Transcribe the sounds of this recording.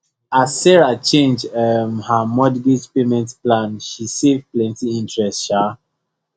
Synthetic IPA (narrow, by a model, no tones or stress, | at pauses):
aːɛɹat͡ʃẽnd͡ʒəmhamɔdɡid͡ʒpemɛ̃ntplãnʃisevplɛ̃ntiĩntɹɛstʃa